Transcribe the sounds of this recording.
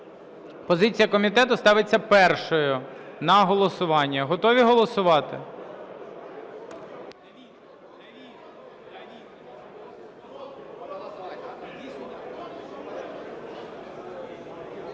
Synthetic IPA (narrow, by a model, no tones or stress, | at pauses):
pɔzɪt͡sʲijɐkɔmʲit̪ɛt̪ʊst̪ɑʋɪt͡sʲːɐpɛrʃɔjʊnɐɦɔlˠɔsʊʋɑnʲːɐɦɔt̪ɔʋʲiɦɔlˠɔsʊʋɑt̪ɪ̰